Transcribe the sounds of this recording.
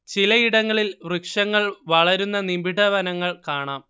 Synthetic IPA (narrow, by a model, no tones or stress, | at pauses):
t͡ɕilɐiɽɐŋːɐɭilʋrɨkʂɐŋːɐɭʋɐɭɐɾunːɐnimbiɽɐʋɐnɐŋːɐɭkaːɳaːm